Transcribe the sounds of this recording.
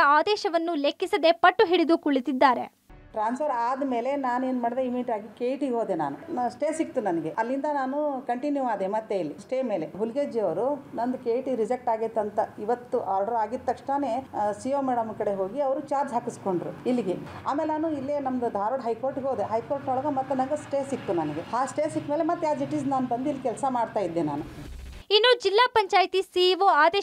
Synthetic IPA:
ɐaːd̪ɛːʃɐʋɐnːulekːisɐd̪epɐʈːuɦiɽid̪ukuɭit̪id̪ːaːɾe̞̰ | ʈɾaːnsʰɐɾaːd̪me̞ːle̞naːnueːnmɐɽd̪eimiʈaːɡikeːjʈiɡɦoːd̪ena̰ːnusʈeːsik̚t̪unɐnɐɡeʔɐlːind̪ɐnaːnukɐɳʈinjuʋaːd̪emɐt̪ːe̞ilːisʈeːme̞ːle̞ɦulɡed͡ʒiɐʋɐɾunɐnd̪ukeːjʈiɾid͡ʒɐk̚ʈaːɡit̪ːɐnt̪ɐiʋɐt̪ːuʔaːɾɖɐɾaːɡit̪ːɐkʂʈaneːsioːmeːɽɐmkɐɽe̞ɦo̞ːɡiɐʋɐɾut͡ʃaːɾd͡ʒɦaːkisko̞ɳɖɾuilːiɡeaːmeːlenaːnuilːenɐmd̪ud̪ʱaːɾoːɽɦɐjkoːɾʈɡoːd̪eɦɐjko̞ːɾʈnɔɭɐɡɐmɐt̪ːenɐnɡesʈeːsit̪ːunɐniɡeaːsʈeːsikːmelemɐt̪ːeaːsiʈiznaːnbɐnd̪ilːikɛlsɐmaːɖt̪aːjid̪ːena̰ːnu | inːuːd͡ʒilːaːpɐɲt͡ʃaːjt̪isiːʋoaːd̪eː

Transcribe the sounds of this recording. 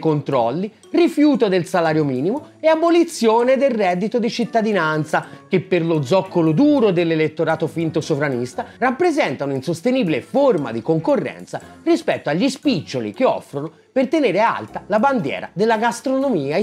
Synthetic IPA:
kont̪ɾɔlːi | rifjuːt̪od̪elsalaːɾjomiːnimo | eabolit̪sːjoːned̪elrɛːd̪ːit̪od̪it͡ʃit̪ːad̪inant̪sak̟epːerlod̪zːɔkːolod̪uːɾod̪elːelet̪ːoɾaːt̪ofint̪osovɾanist̪arapːɾezɛnt̪anoinsost̪eniːbileforma̰d̪ikoŋkorːɛ̰nt̪sarispɛt̪ːoaʎːispit͡ʃːolḭkeɔ̰fːɾono | pert̪eneːɾea̰lt̪alaband̪jɛ̰ːɾa̰d̪elːaɡast̪ɾonomiːa

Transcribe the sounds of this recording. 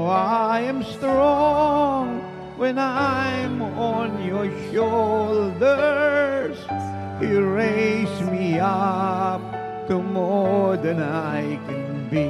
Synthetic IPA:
aɪɨ̃mstɹɔŋŋ | wɨ̃naɪ̃mənjə˞ʃolˠdə˞z̥ | hiɹeɪsmiʌp̚ | təmɔɹðɨ̃naɪkʰɨ̃n | bi

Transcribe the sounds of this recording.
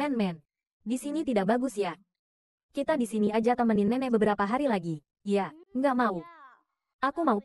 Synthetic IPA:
ɛnmɛn | disinit̪idaʔbaɡʊsja | kit̪adisiniad͡ʒat̪əməninmɛnɛbəbəɾapaɦaɾilaɡi | jaŋɡaʔmau | ʔakumau

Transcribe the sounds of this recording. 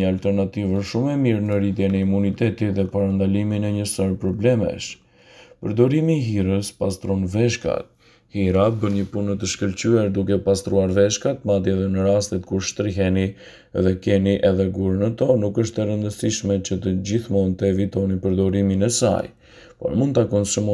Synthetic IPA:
əalt̪ɛɾnat̪ivəʃumɛmiɾnəɾit̪jɛnɛimunit̪ɛt̪iðɛpaɾand̪aliminɛɲəsəɾpɾɔblɛmɛ̰ʃ | pəɾd̪ɔɾimiɦiɾəspast̪ɾɔnvɛʃka̰t̪̚ | hiɾabəɲəpunət̪əʃkəlt͡ɕyɛɾd̪ukɛpast̪ɾuaɾvɛʃkat̪̚mat̪jiɛðɛnəɾast̪ɛt̪̚kuɾʃt̪ɾiɦɛni | ɛðɛkɛniʔɛðɛɡuɾənət̪ɔnukəʃt̪ɛɾənd̪əsiʃmɛt͡ɕət̪əd͡ʑiθmɔnt̪əɛvit̪ɔnipəɾd̪ɔɾiminɛsa̰j | pɔ̰ɾmund̪t̪akɔnsumɔ

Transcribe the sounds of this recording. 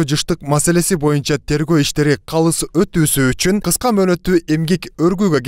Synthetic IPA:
d͡ʒɯʃt̪ɯqmase̞le̞sibo̞junt͡ʃɑt̪ʰe̞ɾɡø̞ːiʃt̪e̞ɾiqʰɑlˠɯsø̞t̪yːsyːt͡ʃynqʰɯsqɑmø̞ːnø̞t̪ːyːʔe̞mɡekø̞ɾɡyːɡø̞ɡ

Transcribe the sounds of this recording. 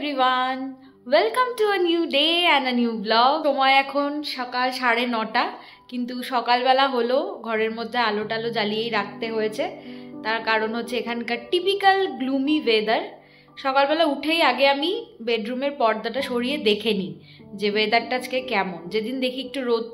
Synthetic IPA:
ɾiwan | welkamʈuənjuɖeɛ̃ndənjublɔɡomɔeɛkʰonʃɔkalʃaɽenɔʈa | kint̪uʃɔkalbɛlaɦoloɡʱɔɾeɾmod̪ʱːealoʈalod͡ʑalijejɾak̚ʰt̪eɦojet͡ɕʰet̪aɾkaɾonɦotːɕʰeekʰankaɾʈipikalɡlumived̪aɾ | ʃɔkalbɛlauʈʰejaɡeamibeɖɾumeɾpɔɾd̪ʱaʈaʃoɾijed̪ekʰeni | d͡ʑebed̪aɾʈaad͡ʑkekɛmond͡ʑed̪ind̪ekʰiek̚ʈuɾot̪̚

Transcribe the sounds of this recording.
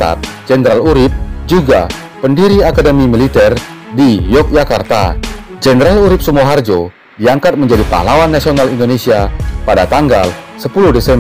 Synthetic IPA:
t̪a̰t̪̚d͡ʒɛndɾaluɾɪp̚d͡ʒuɡa̰ | pəndiɾiakadəmimilit̪ɛr | dijɔk̚d͡ʒakart̪a̰ | d͡ʒɛnɾaluɾɪp̚səmuaɦard͡ʒo | diaŋkat̪̚məɲd͡ʒadipa̰ɦlawanːasionalindonesiapadat̪aŋɡa̰l | səpuluhdɛsɛm

